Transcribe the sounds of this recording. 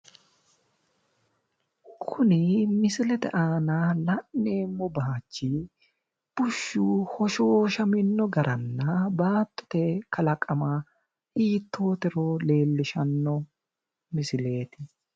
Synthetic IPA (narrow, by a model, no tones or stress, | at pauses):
kʰʊnɪmɪsɪlɛt̪ɛ̰ʔaːnaːlɐʔːe̞ːmːɔbaːt͡ʃːɪ | b̥ʊʃːuːhɔʃo̞ːʃɐmɪnːɔɡɐɾʔɐnːɐbaːt̪ːɔ̥t̪ɛkʰɐlɐkʼːɐmaː | ʔiːt̪ʰːo̞ːt̪ɛɾoːle̞ːlːɪʃɐnːɔ | mɪsɪle̞ːt̪ɪ